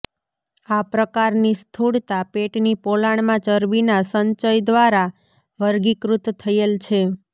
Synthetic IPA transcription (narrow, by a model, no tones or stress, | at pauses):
apɾəkaɾnist̪ʰuɽt̪apeʈnipolaɳ̃mãt͡ʃəɾbinasəɲt͡ʃəjd̪ʋaɾa | ʋəɾɡikɾut̪t̪ʰːəjelt͡ʃʰe